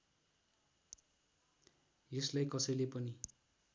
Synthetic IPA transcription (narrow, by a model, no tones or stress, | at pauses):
eslajkʌsʌjlepʌni